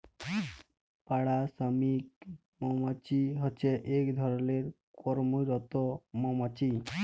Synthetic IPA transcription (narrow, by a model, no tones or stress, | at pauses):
paɽasəmik | mɔmɔt͡ʃiɦɔt͡ʃeʔekd̪ʱɔɾleɾ | kɔɾmuɾɔt̪ɔmɔmɔt͡ʃi